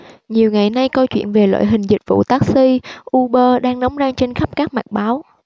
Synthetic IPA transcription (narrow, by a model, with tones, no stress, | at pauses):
ɲi˨˩əwŋa˨˩jna˧jkə˧wt͡ɕwḭ˧˨ənve˨˩lwa̰ː˧˨jɦï˨˩ŋ̟zï˨˩k̟̚vṵ˧˨t̪aː˦˥k̚si˧ʔu˧ɓəː˧ɗaː˧ŋnɔ˨˦wŋ͡mzaː˧ŋt͡ɕe˧nxa˦˥p̚kaː˦˥k̚ma˨˩t̚ɓaː˨˦w